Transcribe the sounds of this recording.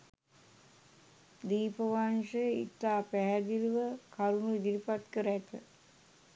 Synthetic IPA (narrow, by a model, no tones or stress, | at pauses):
d̪iːpəʋanʂəjəḭt̪ːaːpæɦæd̪iluʋəkaɾunuid̪iɾipat̪kəɾæt̪ə̰